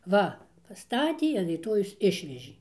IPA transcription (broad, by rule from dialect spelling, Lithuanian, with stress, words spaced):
ˈʋɐ pɐˈstɑːtʲiɛ ɐn rʲiːˈtoːjɛʊs ˈɪʃʲʋʲɛʒʲeː